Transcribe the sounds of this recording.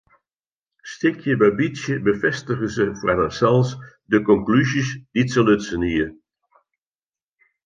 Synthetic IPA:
stɪkʰjəbɛjbisjəbəfɛstəɣəzəfɛdəsɛlˠs | dəkɔŋklyzisditsəløtsəniə

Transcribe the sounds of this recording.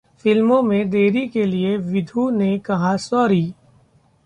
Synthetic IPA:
fɪlmõmẽd̪eːɾikelieʋɪd̪ʱunekɐɦasɔːɾiː

